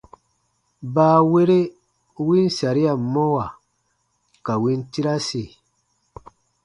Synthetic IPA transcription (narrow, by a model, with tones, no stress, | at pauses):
baː˦we˦ɾe˦ | wi˦n˦sa˨ɾi˦a˨˦mɔ˦wa˨ | ka˨wi˦nti˦ɾa˦se˨